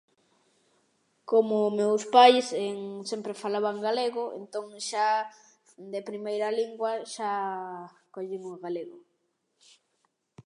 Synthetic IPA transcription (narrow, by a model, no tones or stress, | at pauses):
komʊmewspajseŋsempɾefalaβaŋɡaleɣʊḛnt̪oŋʃa | d̪epɾimejɾaliŋɡwɐʃa | koʎiŋoɣaleɣʊ